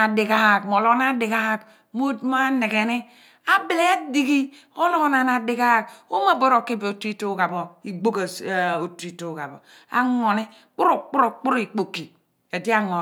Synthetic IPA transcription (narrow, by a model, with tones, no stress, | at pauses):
a˨di˨ka˦˨kmo˨lo˦na˦di˨ka˦˨k | mo˦dma˦ne˨ɡe˨ni˦ | a˦bi˨le˦a˦di˦˨ɡi˦ | o˦lo˦na˨na˨di˨ka˦˨k̚o̰˦ma˦˨bo˦ɾo˨kːi˦be˨o˨ti˦to˦ɡa˨bo˨i˨ɡ͡bo˦ka˨o˨tɾi˦to˦˨ɡa˨bo˨ | a̰˨ŋo˨ne˦ | k͡pu˦ɾo˦˨k͡pu˦ɾo˨k͡pu˦ɾi˨k͡po˨kːi˨ | e˨di˦a˦ŋo˨